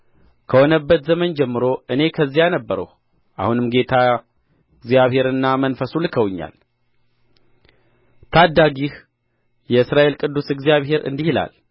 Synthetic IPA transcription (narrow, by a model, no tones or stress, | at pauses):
kʰəhonəbːət̪zəmənd͡ʒɛmːɨɾo̞ʔɨne̞kʰəzːijanəbːəɾə̰h | ʔa̰hunɨmɡe̞t̪ʰa | ɪɡzijaβhe̞ɾɨnːamənfəsulɨkʰəwɨɲːa̰l | t̪ʰad̪ːaɡih | jɛɨsɾaʔe̞lkʼɨd̪ːusɨɡzijaβhe̞ɾɨ̰nd̪ihila̰l